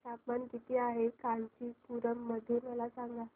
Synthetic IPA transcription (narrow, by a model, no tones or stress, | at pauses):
sapmankit̪ʰiːaɦekant͡ɕiːpuɾəmːəd̪ʱuːnməlasaŋɡa